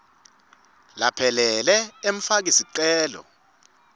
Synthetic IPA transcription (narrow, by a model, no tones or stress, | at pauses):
lapʰɛlɛlɛem̩fak̬isiǀɛːlɔ̰